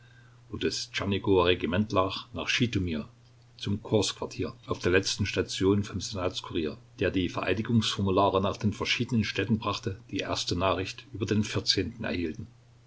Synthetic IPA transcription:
vodəst͡ʃaniɡoʁeɡimɛntlaːχnaːχʃiːtumiːɐ | t͡sʊmkʰʊɐskv̥aɐtʰiːɐʔaʊfd̥eːɐlɛt͡stn̩ʃtat͡sjoːnfɔmzenaːt͡skʰuʁiːɐd̥eːɐdiːfɛɐʔaɪnɪɡʊŋsfɔɐmulaːʁənaːχd̥eːnfɛɐʃiːdənənʃtɛtn̩bʁaχtəd̥iːʔḛːɐstənaːχʁɪçtʔyːbɐdeːnfɪɐt͡seːntn̩ɛ̰ɐhiːltn̩

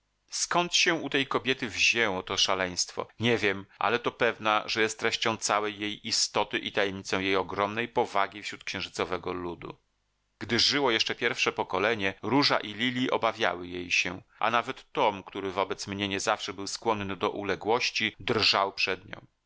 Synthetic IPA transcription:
skɔnt̪ɕɛut̪ɛjkɔbʲjɛt̪ɘvʑɛwɔt̪ɔʂalɛj̃st̪fɔ̰ɲevʲjɛmʔa̰lɛt̪ɔpɛvna̰ʐɛjɛst̪ːɾɛɕt͡ɕɔ̃w̃t̪sawɛjːejist̪ɔt̪ɘʔit̪ajɛmɲit̪sɔ̃w̃jejɔɡɾɔmnɛjpɔvaɡʲifɕɾut̪̚kɕɛ̃w̃ʐɘt̪sɔvɛɡɔlud̪ṵ | ɡ̥d̪ɘʐɘwɔjɛʂt͡ʂɛpʲjɛɾfʂɛpɔkɔlɛɲɛɾuʐa̰ʔilʲilʲiʔɔbavʲja̰wɘjejɕɛʔa̰navɛt̪ːɔmkt̪uɾɘvɔbɛt̪smɲɛɲɛzafʂɛbɘwskwɔnnɘd̪ɔʔulɛɡwɔɕt͡ɕid̪rʐawpʂɛd̪ɲɔ̰̃w̃

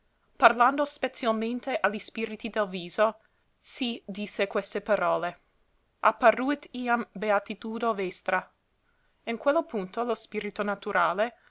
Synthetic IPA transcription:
parland̪ospet̪t͡sialment̪eʔalispiːɾit̪id̪elviːzo | sid̪isːekwest̪epaɾɔːle | ʔapːarut̪iambeat̪it̪uːd̪ovɛst̪ɾa | iŋkwelːopunt̪olospiːɾit̪onat̪uɾʔaːle

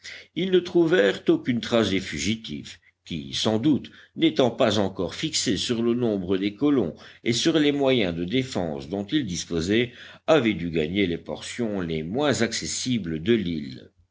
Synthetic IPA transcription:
ilnət̪χuvɛʁt̪okynt̪χasd̪efyʒit̪ḭf | kʲḭsɑ̃d̪ut̪net̪ɑ̃pazɑ̃kɔʁfiksesyʁlənɔ̃bʁəd̪ekɔlɔ̰̃esyʁlemwajɛ̃d̪əd̪efɑ̰̃sd̪ɔ̃t̪ild̪ispozɛ | avɛd̪yɡa̰ɲelepɔ̰ʁsjɔ̃lemwɛ̃zaksesibləd̪əlil

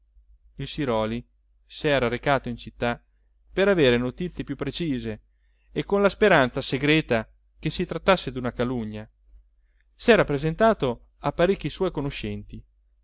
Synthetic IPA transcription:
ilsiɾɔːli | sɛːɾaɾekaːt̪oint͡ʃit̪ːa | peɾaveːɾenot̪it̪sːjepjupːɾet͡ʃiːze | ekːonlaspeɾant̪saseɡɾɛːt̪a | kesːit̪ɾat̪ːasːed̪unakaluɲːa | sɛːɾapɾezent̪aːt̪o | apːaɾekʲːiswɔjkonoʃɛnt̪i

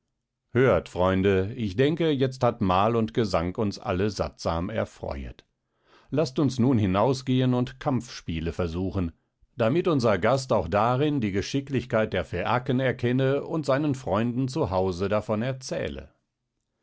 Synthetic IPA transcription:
høːɐtfʁ̥ɔʏndəɪçd̥ɛŋkəjɛt͡sthatmaːlʊntɡ̥əzaŋkʊnsʔa̰ləza̰tz̥a̰ːmɛ̰ɐfʁ̥ɔ̰ʏə̰t | lastʊnsnuːnhɪnaʊsɡ̥eːənʊntkʰamp͡fʃpiːləfɛɐzuːχən̩ | d̥amɪtʊnzɐɡastaʊxd̥aːʁɪndiːɡəʃɪklɪçkaɪt̚d̥eːɐfeʔakənɛɐkʰɛnəʊntz̥aɪnənfʁ̥ɔʏndn̩t͡suɦaʊzədafɔnɛɐt͡sɛ̰ːlə̰

